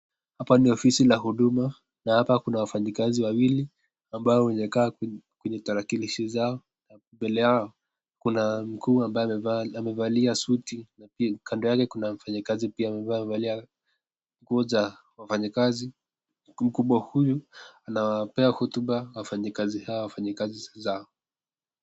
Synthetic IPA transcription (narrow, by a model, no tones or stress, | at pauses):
hapaniɔfisilahuɗuma | nahapakunawafaɲikaziwawili | ambaɔwɛɲɛkaːkwɛɲɛtaɾakiliʃizaɔ | na | mbɛlɛjaɔ | kunam̩kʰuːambaɛvamɛvaliasutinaikʰandɔjakɛkunam̩faɲakazipiamɛvaɛvalia | ŋkuɔza | wafaɲakazi | m̩kuɓwahujuanawapɛahɔtuɓawafaɲakazihawawafaɲakazizaɔ